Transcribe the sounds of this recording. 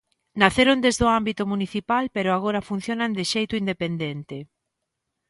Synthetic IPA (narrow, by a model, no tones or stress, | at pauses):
naθeɾond̪ezðoambit̪omuniθipalpeɾoaɣoɾafun̟θjonand̪ɪʃejt̪ʊind̪epend̪ent̪ɪ